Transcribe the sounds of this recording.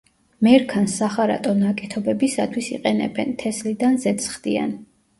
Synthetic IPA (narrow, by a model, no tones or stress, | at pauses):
mɛɾkʰansaχaɾa̰t̪ʼɔnakʼɛt̪ʰɔbɛbisat̪ʰwisḭqʼɛnɛ̰bɛnt̪ʰɛslid̪anzɛt̪sʰχd̪ia̰n